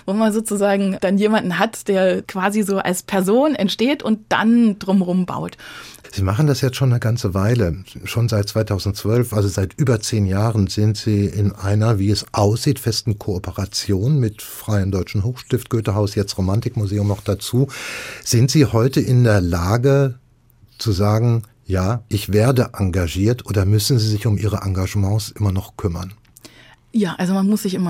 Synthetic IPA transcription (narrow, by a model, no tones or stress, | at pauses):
voːmanzoːt͡suzaːɡŋ̩d̥anjeːmandn̩ɦatd̥eːɐkv̥aːzizoːʔa̰lspʰɛɐzoːnɛntʃteːtʊnt̚d̥a̰nd̥ʁʊmʁʊmba̰ʊtz̥iːmaχn̩dasjɛt͡stʃoːnːəɡant͡səvaɪləʃoːnzaɪt̚t͡sv̥aɪtʰaʊzn̩tt͡sv̥œlfʔalzozaɪtʔyːbɐt͡seːnjaːʁənz̥ɪntz̥iːɪnʔa̰ɪnɐviːɛsʔaʊsz̥iːtfɛstn̩kʰoopʰəʁat͡sjoːnmɪtfʁ̥aɪəmdɔʏt͡ʃn̩ɦoːxʃtɪft̚ɡ̥øːtəɦaʊsjɛt͡stʁomantɪkmuzeːʊmnɔχd̥at͡suːz̥ɪntz̥iːhɔʏtəʔɪndeːɐlaːɡə | t͡suzaːɡŋ̩ | jaːʔɪçv̥eːɐdəʔaŋɡaʒiːɐtʔoːdɐmʏsn̩ziːzɪçʊmʔiːʁ̞əʔaŋɡaʒəmɑ̃ːsʔɪmɐnɔχkʰʏmɐn | jaːʔalzomanmʊsz̥ɪçʔɪmɐ